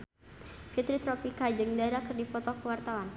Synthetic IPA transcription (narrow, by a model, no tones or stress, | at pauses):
fit̪ɾit̪ɾɔpikad͡ʒɨŋdaɾakərdipɔt̪ɔkəwart̪awan